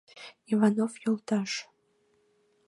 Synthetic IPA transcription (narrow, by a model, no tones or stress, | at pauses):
ivɑnofjolˠt̪ɑʃ